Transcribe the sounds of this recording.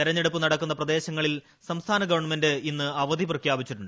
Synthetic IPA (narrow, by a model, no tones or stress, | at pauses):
t̪iɾɐɲːeɽupːɨnɐɽɐkːunːɐprɐd̪e̞ːɕɐŋːɐɭil | sɐmst̪ʰaːnɐɡɐʋɐrɳmendɨinːɨɐʋɐd̪ʱiprɐkʰjaːbit͡ɕːiʈːuɳɖɨ